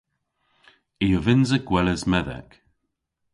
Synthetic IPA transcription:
ɪjəvɪnzəɡ̥wɛləzmɛðɛ̰k

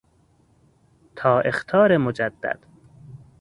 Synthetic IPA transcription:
t̪ʰɒːʔext̪ʰɒːɾemod͡ʒæd̪ːæ̰d̪̥

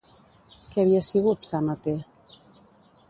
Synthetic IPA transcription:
keaβiasiɣut̪sanat̪e

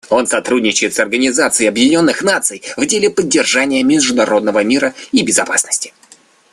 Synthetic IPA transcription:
o̞nsɐt̪ɾudʲnʲɪt͡ɕʊjɪt̪sɐrɡənʲɪzat̪sɨɪɐbjɪdʲɪnʲo̞nːɨxnat̪sɨjvdʲelʲɪpədʲːɪrʐanʲɪjəmʲɪʐd̪ʊnɐɾo̞d̪nəvəmʲiɾəibʲɪzɐpasnəsʲtʲɪ̥

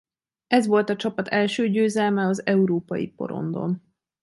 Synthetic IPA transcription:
ɛzʋo̞lt̪ɒt͡ʃɒpɒt̪ʰɛlʃøːɟøːzɛlmɛɒzɛuɾoːpɒjḭpo̞̰ɾo̞̰nd̪o̞̰n

